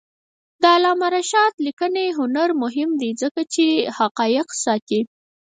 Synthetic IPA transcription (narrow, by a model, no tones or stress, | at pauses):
d̪əalɑmaɾaʃɑt̪likəneɦʊnaɾmʊɦɪmd̪izəkat͡ʃehaqɑjɪqsɑt̪i